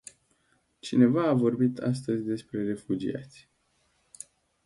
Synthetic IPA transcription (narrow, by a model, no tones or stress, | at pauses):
t͡ʃine̞vaːvo̞rbit̪ʰa̰s̬t̪əzʲd̪e̞spɾe̞re̞fud͡ʒḭa̰t̪sʲ